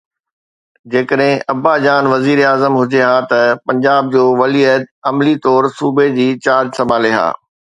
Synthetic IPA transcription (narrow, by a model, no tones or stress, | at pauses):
d͡ʑeːkəɗɦɪ̃ʔɐbad͡ʑaːnʋɐziːɾaːzəmɦʊd͡ʑeɦaːt̪ɐpɐ̃ɲd͡ʑaːb̚d͡ʑoːʋɐliət̪ɐmlit̪ɔːɾsuːbed͡ʑiːt͡ɕaːɾd͡ʑsɐmaːleɦa̰ː